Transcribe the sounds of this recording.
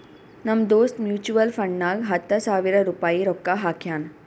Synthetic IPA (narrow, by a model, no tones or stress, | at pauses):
nəmd̪ost̪mjuːt͡ɕuʋəlfəɳnaɡɦət̪ːəsaʋiɾəɾupaiɾɔkːaɦakʰjan